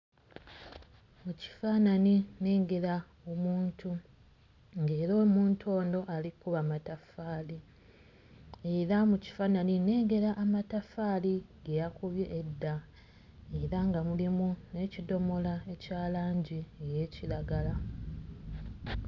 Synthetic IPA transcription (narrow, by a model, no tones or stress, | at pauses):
muci̥faːnanine̞ːɡe̞ɾa | o̞muːntʰu | ŋɡe̞ːɾoːmuːntʰo̞ːndo̞ʔalikuβamatafaːli | e̞ɾamuci̥faːnanine̞ːɡe̞ɾaʔːmatafaːliɡejakuβjeʔːdːa | e̞ɾaŋɡamulimune̞cido̞mo̞lae̞caːlaːɲɟieje̞ːciɾaɡala